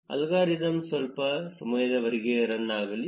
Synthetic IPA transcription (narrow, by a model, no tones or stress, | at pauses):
ɐ̰lɣaːɾid̪ɐmsɐlpɐsɐmɐjɐd̪ɐʋɐɾiɡeɐɾɐnːaːɣɐli